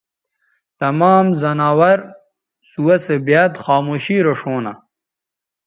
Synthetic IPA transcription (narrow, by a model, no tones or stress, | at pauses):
t̪ɐmaːmzɐnaːwɐɾ | suwɐsebjaːd̪xaːmoːɕiːɾoʂoːna